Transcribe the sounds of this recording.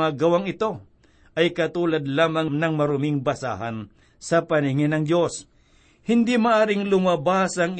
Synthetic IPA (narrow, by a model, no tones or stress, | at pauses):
aɡɐwaŋɪt̪o̞ | ʔɐjkɐt̪uːlɐd̪̚laːmɐŋnɐŋmɐɾʊmɪŋbɐsa̰ɦɐn | sɐpɐnɪŋɪnɐŋd͡ʒjo̞s | hɪnd̪imɐʔaːɾɪŋlʊmabaːsɐŋ